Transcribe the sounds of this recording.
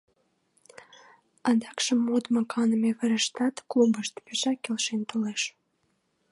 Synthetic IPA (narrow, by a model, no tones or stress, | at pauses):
ɑnd̪ɑkʃəmːud̪mɑkɑnəmeβəɾəʃt̪ɑt̪klubəʃt̪peʃɑkːelʃent̪oleʃ